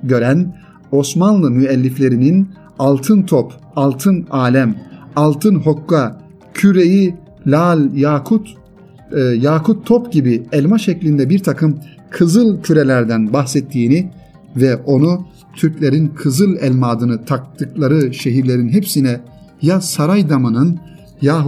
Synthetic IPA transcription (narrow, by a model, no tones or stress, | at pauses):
ɟø̞ɾæn | o̞smanlˠɯmyɛlʲːiflʲe̞ɾinin | alˠt̪ʰɯnt̪ʰop | alˠt̪ʰɯnaːlʲæmalˠt̪ʰɯnɦo̞kːa | cʰyɾeji | lʲalʲjakʰut̪ | jaːkʰut̪ʰːopɟibiɛlʲmaʃɛclʲind̪ɛbiɾt̪ʰakʰɯm | kʰɯzɯlˠcʰyɾelʲæɾd̪ænbaxsɛt̪ʰːiːni | vɛʔo̞nu | t̪ʰyɾclʲeɾinkʰɯzɯlˠɛlʲmaːd̪ɯnɯt̪ʰak̚t̪ʰɯklˠaɾɯʃeɦiɾlʲe̞ɾinɦepsinɛjasaɾajd̪amɯnɯn | jaːɦ